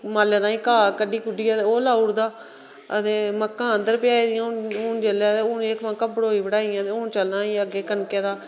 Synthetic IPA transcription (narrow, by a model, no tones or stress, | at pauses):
maːlːeːd̪ãːĩːkaːkəɖiːkʊɖiːaːt̪eːoːlaːʊɽd̪aː | ə̰t̪eːməkːãːənd̪əɾpɪjaːiːd̪ɪjãːoːnd͡ʒeleːt̪eːoːneːkmãːkəbɽoːiːbəɽaːijãːt̪eːoːnt͡ʃəlnãːĩːəɡeːkənkeːd̪aː